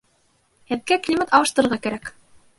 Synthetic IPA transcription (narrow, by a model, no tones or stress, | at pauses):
hɘ̆ðɡæklʲimət̪ɑwɤ̆ʃt̪ɤ̆ɾɤ̆ɾʁɑkæɾæk